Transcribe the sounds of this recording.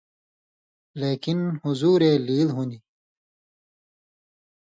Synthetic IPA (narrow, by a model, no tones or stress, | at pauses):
leːkinhuzuːɾeːliːlɦuni